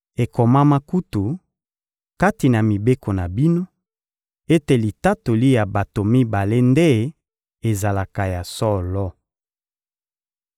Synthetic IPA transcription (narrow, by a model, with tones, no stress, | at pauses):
e˨ko˨ma˦ma˦ku˦tu˨ | ka˦ti˨na˨mi˨be˦ko˨na˨bi˦no˦ | e˦te˨li˨ta˦to˨li˦ja˨ba˨to˨mi˦ba˨le˦nde˦ | e˨za˨la˨ka˨ja˨sɔ˦lɔ˦